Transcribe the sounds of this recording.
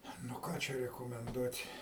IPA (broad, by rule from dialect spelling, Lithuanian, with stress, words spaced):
nʊ ˈkɑː t͡ʃʲɛ rʲɛkoːmʲɛnˈduɔtʲ